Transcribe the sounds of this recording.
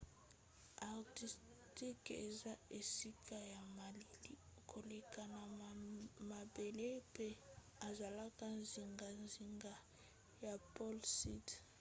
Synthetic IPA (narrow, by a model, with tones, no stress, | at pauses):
a˨ʁti˨s | ti˦kḛ˨za˦e˨si˦kʰa˦ja˨ma˨li˨li˦kʰo˨li˨ka˨na˨ | ma˨be˨le˦pe˦ | a˨za˨la˦ka˦nzi˨ŋɡa˨nzi˨ŋɡa˨ | ja˨pɔ˦lsi˦t